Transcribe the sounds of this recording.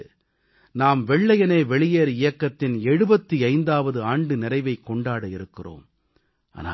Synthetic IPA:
naːmʋɛɭːɐjɐneːʋɛɭɪjeːɾɪjɐkːɐt̪ːɪnɛɻɯbɐt̪ːiɐɪnd̪aːʋɐðɯaːɳɖɯnɪɾɐɪʋɐɪkːɔɳɖaːɽɐɪɾɯkːɪro̰ːm | a̰ːna̰ː

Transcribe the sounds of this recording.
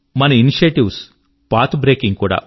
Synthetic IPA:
mɐnɐiniʃeʈiʋs | paːt̪ʰbɾeːkiŋɡ̚kuːɽa̰ː

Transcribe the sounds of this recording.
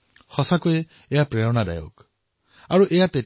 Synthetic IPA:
hɔsakuje | ejapɾeɹɔɽ̃ad̪a̰jo̰k | aɹuʔejate

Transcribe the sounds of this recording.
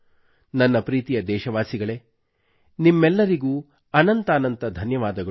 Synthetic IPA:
nɐnːɐpɾiːt̪ijɐd̪ɛːʃɐʋaːsiɡɐɭeː | nimːɛlːɐɾiɡuː | ɐnɐnt̪aːnɐnt̪ɐd̪ʱɐnjɐʋaːd̪ɐɡɐ

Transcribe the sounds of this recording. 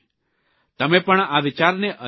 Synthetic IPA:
t̪əmepəɳabʱit͡ʃaɾneʔə

